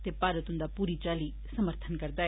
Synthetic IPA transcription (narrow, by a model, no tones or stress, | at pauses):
t̪eːpaːɾət̪ʊ̃nd̪aːpuːɾiːt͡ʃaːli | səməɾt̪ʰənkəɾd̪aː